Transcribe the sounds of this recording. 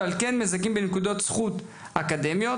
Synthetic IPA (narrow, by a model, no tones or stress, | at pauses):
alkenmezakimbenekud̪o̞t̪sχut̪ | akad̪e̞mjo